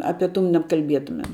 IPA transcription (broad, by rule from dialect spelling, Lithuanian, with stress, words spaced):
ˈɑːpʲɛ ˈtuː nʲɛpkɐlʲˈbʲiɛtʊmʲɛm